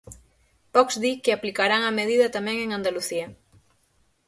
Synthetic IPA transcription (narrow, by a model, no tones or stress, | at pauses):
pɔkzd̪ikeaplikaɾaŋameðiðɐt̪amɛ̃ŋeŋand̪aluθia